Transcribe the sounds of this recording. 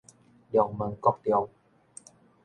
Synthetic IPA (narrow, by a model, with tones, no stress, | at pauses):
jɔ˧˩ŋmɤ˧ŋkɔ˥˩k̚t̪i˧ə˧w